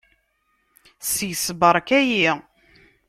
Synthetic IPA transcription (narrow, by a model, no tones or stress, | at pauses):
sjəsbəɾˤkæji